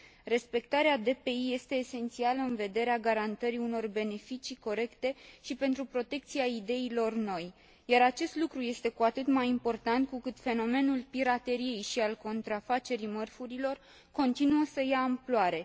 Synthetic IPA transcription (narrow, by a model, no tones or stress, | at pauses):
re̞spe̞kt̪aɾead̪e̞pe̞ije̞st̪e̞ːse̞nt̪sialəɨnve̞d̪e̞ɾeaɡaɾant̪əɾiuno̞rbe̞ne̞fit͡ʃiko̞ɾe̞kt̪e̞ʃipe̞nt̪ɾupɾo̞t̪e̞k̚t̪siaid̪e̞ilo̞rno̞j | jaɾat͡ʃe̞st̪lukɾuje̞st̪e̞kuat̪ɨt̪majimpo̞rt̪ant̪̚kukɨt̪fe̞no̞me̞nulpiɾat̪e̞ɾie̞jʃialko̞nt̪ɾafat͡ʃe̞ɾimərfuɾilo̞r | ko̞nt̪inuəsəjaɨmploaɾe̞